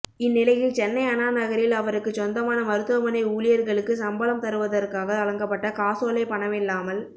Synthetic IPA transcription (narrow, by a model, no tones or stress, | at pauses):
ɪnːɪlɐjɪlt͡ʃɛnːɐɪɐnaːnɐɣɐɾɪlɐʋɐɾɯkːɯt͡ʃɔnd̪ɐmaːnɐmɐɾɯt̪ːɯʋɐmɐnɐɪuːlɪjɐɾɣɐɭɯkːɯsɐmbɐlɐmt̪ɐɾɯʋɐðɐɾkaːɣɐt̪ɐlɐŋɡɐpːɐʈːɐkaːsoːlɐɪpɐɳɐʋɪlːaːmɐl